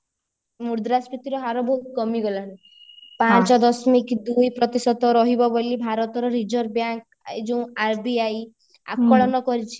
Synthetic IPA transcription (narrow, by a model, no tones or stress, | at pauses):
muɾd̪ɾaspit̪iɾɔɦaɾɔbɔɦut̪ɡɔmiɡɔlaɽ̃u | pat͡ʃɔd̪ɔsmikd̪ujpɾɔt̪isɔd̪ɔɾɔɦibɔbɔlibʱaɾɔt̪ɔɾɔɾid͡ʒɔɾbjaŋk | ed͡ʒũaɾbiaj | a̰kɔɭɔnɔkɔɾit͡ʃʰi̥